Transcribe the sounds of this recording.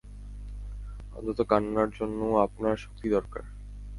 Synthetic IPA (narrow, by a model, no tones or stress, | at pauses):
ɔ̰nt̪ʰot̪okanːaɾd͡ʑonːoapnaɾʃo̥k̚t̪id̪ɔɾka̰ɾ